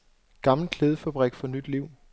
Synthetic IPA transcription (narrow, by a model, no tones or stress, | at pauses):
ɡ̥ɑ̈ml̩kʰleːð̞ˠəfæb̥ʁɛɡ̥fɒnyd̥liʊ̰